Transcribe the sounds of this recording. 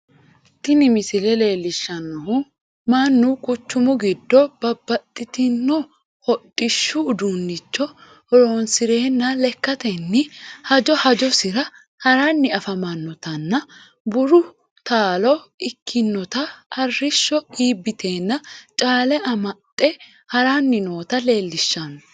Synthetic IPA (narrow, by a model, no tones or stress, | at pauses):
t̪ːɪnɪmɪsɪlɛle̞ːlːɪʃːɐnːɔhʊ | mɐnːʊkʼʊt͡ʃːʊmʊɡɪd̪ːɔb̥ɐbːɐt̪ʼːɪt̪ɪnːɔ | hɔɗʼɪʃːʊːd̪unːɪt͡ʃːɔ | ɔɾoːnsɪɾe̞ːnːɐlɛkːɐt̪ɛnːɪhɐd͡ʒɔhɐd͡ʒɔsɪɾɐ | hɐɾɐnːɪɐfɐmɐnːɔt̪ɐnːɐ | bʊɾʊ | t̪aːlɔɪkʰːɪnːɔt̪ɐɐrːɪʃːɔiːbːɪt̪ʰe̞ːnːɐt͡ʃʼaːlɛʔɐmɐtʼːɛ | hɐɾɐnːɪno̞ːt̪ɐle̞ːlːɪʃːɐn